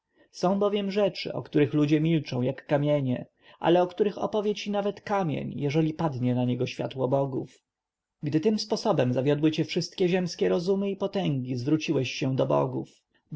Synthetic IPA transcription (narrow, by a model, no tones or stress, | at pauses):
sɔ̃w̃bɔvʲjɛmʐɛt͡ʂɘ̰ʔɔ̰kt̪uɾɘxlud͡ʑɛmʲilt͡ʂɔ̃w̃jakːamʲjɛɲɛ | ʔa̰lɛɔkt̪uɾɘxɔ̰pɔvʲjɛt͡ɕinavɛt̪kamʲjḛɲjɛʐɛlʲipad̪ɲɛnaɲɛɡɔɕfʲja̰t̪wɔbɔɡuf | ɡd̪ɘt̪ɘmspɔsɔbɛmzavʲjɔd̪wɘt͡ɕɛfʂɘst̪̚kʲɛʑɛmskʲɛɾɔzumɘipɔt̪ɛŋɡʲizvɾut͡ɕiwɛɕːɛ̃d̪ɔbɔ̰ɡuf